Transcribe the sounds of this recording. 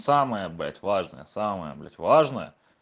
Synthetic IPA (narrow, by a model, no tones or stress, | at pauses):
saməjəblʲæ̰tʲvaʐnə̰jəsaməjə̰blʲæ̰tʲvaʐnəjə̰